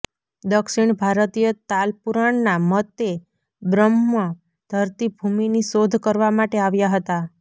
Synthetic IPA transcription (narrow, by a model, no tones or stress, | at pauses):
d̪əkʃiɳbʱaɾt̪ijət̪alpuɾaɳnamət̪e | bɾəmːə | d̪̥ʱəɾt̪ibʱuminisod̪ʱkəɾʋamaʈeaʋjaɦət̪a